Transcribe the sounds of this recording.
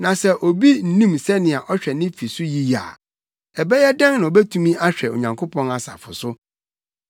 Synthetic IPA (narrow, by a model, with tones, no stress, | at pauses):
nã˨sɛ˨ʔo˨bi˦n̩˨nĩ˦msɛ˦nɪ̃˨a˨ʔɔ˦ɕᶣɛ˨nɪ̃˦fi˨sʊ˦ji˦ja̰˨ | ɛ˨bɛ˦jɛ˦dã˦ŋnã˨o˨bɛ˦tʰũ˦mĩ˦ʔa˦ɕᶣɛ˨o̰˨ɲã˨ŋkʰo˦pʰɔ̃˦na˨sa̰˨fʊ˨sʊ˦